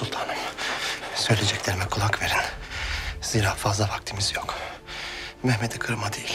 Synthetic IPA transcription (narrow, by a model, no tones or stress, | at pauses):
sulˠt̪ʰanɯm | sø̞jlʲed͡ʒɛclʲeɾimɛkʰulˠakve̞ɾæn | z̥iːɾaːfazlˠavak̚t̪ʰimizjok | mɛhmɛd̪ɛkʰɯɾmad̪ejilʲ